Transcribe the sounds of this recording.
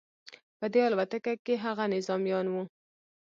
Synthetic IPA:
pəd̪eɑlwat̪akakeɦaɣanɪzɑmjɑnwu

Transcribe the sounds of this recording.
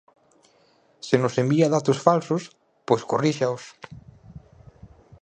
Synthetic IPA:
senosembiaðat̪osfalsos | pojskoriʃaos

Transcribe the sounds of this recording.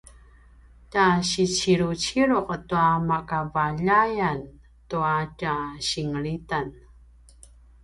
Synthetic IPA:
taɕit͡ɕiɾut͡ɕiɾuqətuamakavaʎajan | tuataɕiŋəɭitan

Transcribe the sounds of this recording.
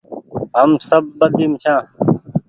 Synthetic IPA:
ɦəmsəb̚ːəd̪iːmt͡ʃʰãː

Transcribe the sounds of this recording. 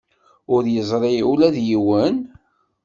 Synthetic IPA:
ʊɾjəzˤɾˤeulæðjiwən

